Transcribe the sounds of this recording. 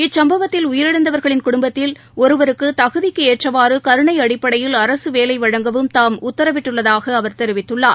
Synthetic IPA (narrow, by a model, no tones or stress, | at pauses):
ɪt͡ʃsɐmbɐʋɐt̪ːɪlʊjɪɾɐɽɐnd̪ɐʋɐɾɣɐɭɪnkʊɽʊmbɐt̪ːɪl | ɔɾɯʋɐɾɯkːɯt̪ɐɣɯðɪkːɯeːʈrɐʋaːɾɯkɐɾɯɳɐɪɐɽɪpːɐɽɐjɪlɐɾɐsɯʋeːlɐɪʋɐɻɐŋɡɐʋɯmt̪aːmʊt̪ːɐɾɐʋɪʈːɯɭːɐðaːɣɐːʋɐɾt̪ɛɾɪʋɪt̪ːɯɭːaːɾ